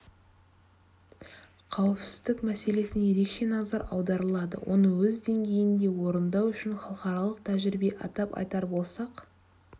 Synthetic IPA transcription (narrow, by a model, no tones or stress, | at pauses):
qʰɑwəpsɪzd̪ɪkmæse̞le̞sɪnje̞ɾe̞kʃe̞nɑzɑɾɑ̰wd̪ɑɾəlˠɑd̪ə̰wʔo̞̰nəwɵzd̪e̞ŋɡʲe̞jɪnd̪e̞wo̞ɾənd̪ɑwʏʃɪnχɑlˠəqɑɾɑlˠəqt̪ʰæʒɪɾɪbe̞ʔɑ̰t̪ɑpɑ̰jt̪ɑɾbo̞lˠsɑq